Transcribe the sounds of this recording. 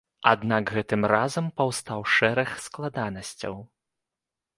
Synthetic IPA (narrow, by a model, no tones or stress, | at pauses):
ad̪naɡɣɛt̪ɨmrazɐmpawst̪awʂɛɾɐxsklˠad̪anɐsʲt͡sʲɐ̰w